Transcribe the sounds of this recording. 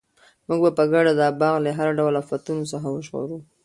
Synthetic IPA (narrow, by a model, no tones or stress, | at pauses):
muɡ̚bapəɡaɽad̪ɑbɑɣleɦaɾaɖawlafat̪unosəxawəʃxo̰ɾu